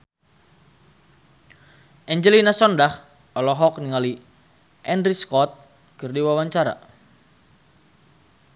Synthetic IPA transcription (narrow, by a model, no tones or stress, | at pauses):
ʔɛɲd͡ʒəlinasɔndah | ɔlɔɦɔk̚niŋali | ʔɛndɾiskɔt̪̚ | kɨrdiwawaɲt͡ʃaɾa̰